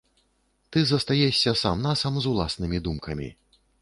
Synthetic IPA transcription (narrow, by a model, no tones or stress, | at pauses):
t̪ɨzɐst̪ajɛsʲːɐsamnasɐmzulˠasnɨmʲid̪umkʰɐmʲḭ